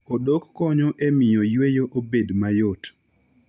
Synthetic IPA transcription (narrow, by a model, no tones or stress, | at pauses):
odokːɔɲɔʔemɪjojwejoʔobedmajot